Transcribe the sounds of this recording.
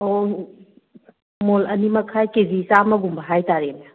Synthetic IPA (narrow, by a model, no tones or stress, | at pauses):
o | molɐnimɐkʰajkezisamɐɡumbɐɦajtaɾene